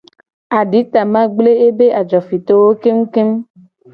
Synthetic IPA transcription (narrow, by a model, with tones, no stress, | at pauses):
a˨ɖi˨˦t̪a˨mã˦ɡ͡ble˦e˦be˦ʔa˨d͡ʒɔ˨fi˨t̪o˦wo˦ke˦m̩˦ke˦m